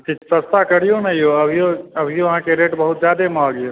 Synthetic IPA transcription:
t̪it͡ʃʰsəst̪akəɽijonəjjoəbʱijoəbʱijoəɦãkeɾeʈbəɦut̪̚d͡ʒjad̪emɔɡejo

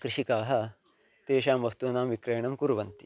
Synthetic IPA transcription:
kɾiʃikaːɦɐ̆ | t̪eːʃaːmʋɐst̪unaːmʋikɾeːɳɐmkuɾʋɐnt̪i̥

